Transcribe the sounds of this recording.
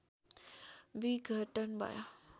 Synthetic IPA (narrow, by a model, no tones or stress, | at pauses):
biɡʱəʈənba̰ja